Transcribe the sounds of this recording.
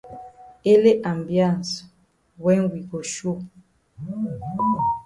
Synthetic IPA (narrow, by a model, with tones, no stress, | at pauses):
e˦le˦ʔa˨mbjã˦˨ns | wɛ˦nwi˨ɡo˨ʃo˦˨